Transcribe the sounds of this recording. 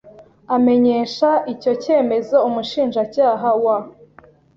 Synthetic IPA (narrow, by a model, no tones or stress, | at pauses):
ame̞ɲe̞ːʃaʔico̞ce̞ːme̞zo̞umuʃiːnʒacaːɦawa